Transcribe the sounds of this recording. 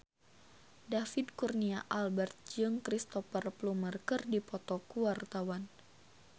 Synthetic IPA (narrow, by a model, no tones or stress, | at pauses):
dafidkurniaʔalbɛrt̪̚d͡ʒɨŋkɾist̪ɔfərplumərkərdipɔt̪ɔkuwart̪awan